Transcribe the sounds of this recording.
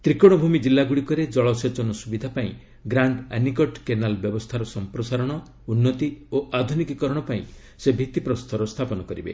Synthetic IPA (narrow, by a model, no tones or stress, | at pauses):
t̪ɾikɔɽ̃ɔbʱumid͡ʒilːaɡuɽikɔɾed͡ʒɔɭɔset͡ʃɔnɔsubid̪ʱapaĩ | ɡɾaɳɖanikɔʈkenalbjɔbɔst̪ʰaɾɔsɔmpɾɔsaɾɔɽ̃ɔ | unːɔt̪ioʔad̪ʱunikikɔɾɔɽ̃ɔpaĩ | sebʱit̪ipɾɔst̪ʰɔɾɔst̪ʰapɔnɔkɔɾibḛ